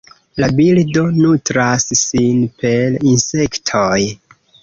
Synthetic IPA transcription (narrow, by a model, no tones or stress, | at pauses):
labildo̞nutɾasːinpe̞linse̞ktʰoj